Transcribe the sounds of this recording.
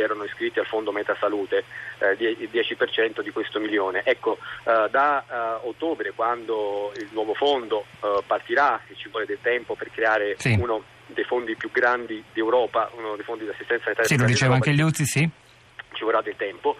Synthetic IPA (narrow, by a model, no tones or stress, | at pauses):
ɛːɾonoiskɾit̪ːialfond̪omɛt̪asaluːt̪ed̪jɛild̪jɛːt͡ʃipert͡ʃɛnt̪od̪ikwest̪omiljoːneʔɛkːod̪aot̪ːoːbɾekwand̪oilnwɔːvofond̪opart̪iɾaet͡ʃːivwɔːled̪elt̪ɛmpoperkɾeaːɾesiuno | d̪ejfond̪ipjuɡɾand̪id̪iewɾɔːpaʔunod̪ejfond̪id̪asːist̪ɛnt̪sasanit̪aːjsilod̪it͡ʃeːvaaŋkeʎjut̪sisi | t͡ʃiolɾad̪ːelt̪ɛmpo